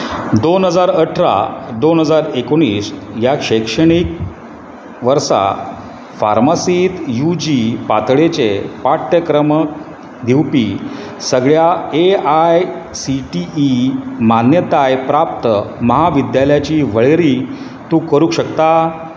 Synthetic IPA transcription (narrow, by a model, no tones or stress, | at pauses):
d̪onɦəd͡zaɾəʈʰɾa̰d̪onɦəd͡zaɾekoɽ̃iːsjaɕəkʂəɽ̃ik̚ | ʋəɾsa̰ | fa̰ɾmasiːt̪jud͡ʑipat̪ɭet͡sepaʈ̪jəkɾəm | d̪ʱiwpi | səɡɭjaeajsiʈiːmanjət̪ajpɾapt̪əməɦaʋid̪jaljat͡ɕiːʋəɭeɾiː | t̪ũːkəɾuːɕəkt̪a